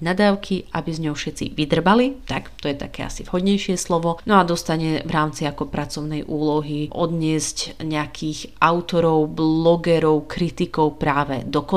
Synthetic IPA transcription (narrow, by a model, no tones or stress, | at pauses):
nad̪aːʊkʰia̰bizɲɔʊfʃɛt͡sḭʋid̪r̩balit̪akt̪ɔjɛt̪a̰kɛːa̰sivɦɔd̪ɲɛjʃɪɛslɔʋɔnɔad̪ɔst̪aɲɛvɾaːmt͡siakɔpɾʔat͡sɔʊnɛjʔuːlɔɦiʔɔd̪ɲɪɛzcɲɛakʰiɣʔaʊt̪ɔɾɔʊblɔɡɛɾɔʊkɾit̪ikɔʊpɾaːʋɛ̰d̪ɔkɔ